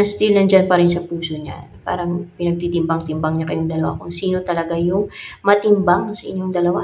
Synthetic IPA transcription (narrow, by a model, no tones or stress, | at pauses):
ɐst̪ilnɐŋd͡ʒanpɐɾɪnsɐpuːsoɲa̰pa̰ːɾɐŋpɪnɐɡ̚t̪it̪ɪmbaŋt̪ɪmbɐŋɲakɐjoŋd̪ɐlɐwa̰kʊŋsiːno̞t̪ɐlɐɡajʊŋmɐt̪ɪmbaŋsɐʔɪɲːo̞ŋd̪ɐlɐwa